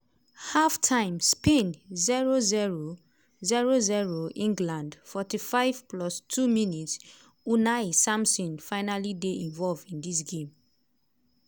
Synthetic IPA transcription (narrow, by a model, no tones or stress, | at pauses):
haftʰãɪ̃mspẽnziɹoziɹo | ziɹoziɹoʔĩŋɡlãndfɔtifaɪvplɔstʰuminits | unasãmsɔ̃nfaɪnalideʔĩnvɔlvdĩndis̬ɡẽm